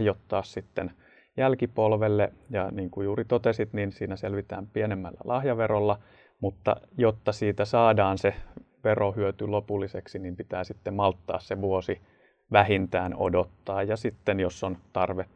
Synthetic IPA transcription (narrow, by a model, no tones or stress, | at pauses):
jot̪ːɑːssit̪ːen | jælkipolʋelːejɑ̰niːŋkujuːrit̪ot̪esit̪ninsiːnæselʋit̪æ̰ːmpienemːælːæ̰lʔɑhjɑʋerolːɑ | mut̪ːɑ̰jot̪ːɑsiːt̪æsɑːdɑːnse | ʋerohyøt̪ylopulːiseksinimpit̪æːsit̪ːemmɑlt̪ːɑ̰ːsseʋuosi | ʋæhint̪æːno̰dot̪ːɑːjjɑsit̪ːenjosːont̪ɑrʋe